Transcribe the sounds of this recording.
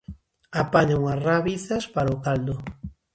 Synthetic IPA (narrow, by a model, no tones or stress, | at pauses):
apaɲaŋasraβiθaspaɾokald̪o